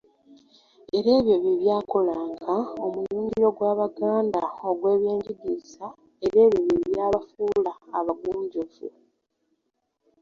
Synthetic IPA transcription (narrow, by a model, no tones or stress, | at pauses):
e̞ɾe̞ːβjo̞βiβjaːko̞laːŋɡao̞muluːɲɟiiɾo̞ɡwaːβaɡaːndao̞ɡwe̞ːβje̞ːɲɟidisa | e̞ɾe̞ːβjoβiβjaːβafuːlaːβaɡuːɲɟovṵ